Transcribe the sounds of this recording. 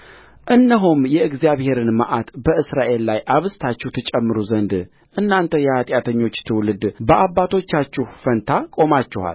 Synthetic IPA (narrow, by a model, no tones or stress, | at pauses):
ʔɨnːəɦumjɛɨɡzijaβhe̞ɾɨnma̰ʔat̪bəɨsɾaʔe̞lːajʔaβɨst̪ʰat͡ʃːɪhwt̪ʰɨt͡ʃʼɛmːɨɾuzənd̪ | ʔɨnːant̪ʰəjɛat̪ʼjat̪ʰəɲːo̞t͡ʃːt̪ʰɨwlɨd̪bəʔaβːat̪ʰo̞t͡ʃːat͡ʃːɪhfənt̪ʰakʼo̞mat͡ʃːɪha̰l